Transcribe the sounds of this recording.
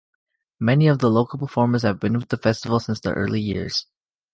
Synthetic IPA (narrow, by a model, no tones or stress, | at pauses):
mɛniʌvðəloʊkl̩ˠpʰə˞fɔɹmə˞z̥hɨvbɨ̃nwɨðəfɛstəvl̩ˠsɪ̃nsðḭʔɜ̰˞lˠijɪ̰ɹz̥